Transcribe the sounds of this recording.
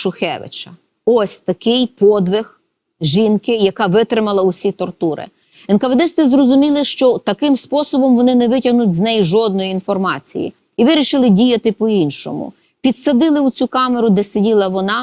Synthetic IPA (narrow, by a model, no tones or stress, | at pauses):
ʃʊxɛ̰ʋɪ̰t͡ʃɐ | ɔsʲt̪ɐkɪjpɔd̪ʋɪx | ʒinkɪjɐkɑʋɪt̪ɾɪmɐlˠɐʊsʲit̪ɔrt̪uɾɪ̰ | ɛnkɐʋed̪ɪst̪ɪzrɔzʊmʲilˠɪʃt͡ʃɔt̪ɐkɪmspɔsɔbɔmʋɔnɪnɛʋɪtʲɐɦnʊtʲznɛjʒɔd̪̚nɔjiinfɔrmɑt͡sʲḭjḭ | iʋɪɾʲiʃɪlˠɪdʲijɐt̪ɪpɔinʃɔ̰mʊ̰ | pʲid̪sɐd̪ɪlˠɪʊt͡sʲukɑmeɾʊd̪ɛsedʲilˠɐʋɔnɑ